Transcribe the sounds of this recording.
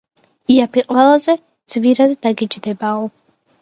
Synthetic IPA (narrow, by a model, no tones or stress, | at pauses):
iapʰiqʼwɛlˠazɛ | d̪z̥viɾad̪ːaɡit͡ʃʼd̪ɛbaɔ